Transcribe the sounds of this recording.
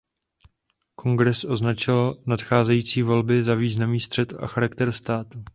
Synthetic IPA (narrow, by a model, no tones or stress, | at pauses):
kʰo̞ŋɡɾɛsʔo̞znat͡ʃɪlnat̪xaːzɛjiːt͡siːvo̞lbɪzaviːznamniːst̪r̝̥ɛt̪a̰xaɾakt̪ɛɾst̪aːt̪u